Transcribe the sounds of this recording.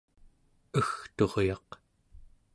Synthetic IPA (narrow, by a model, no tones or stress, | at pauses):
əxt̪o̞ʁjɑq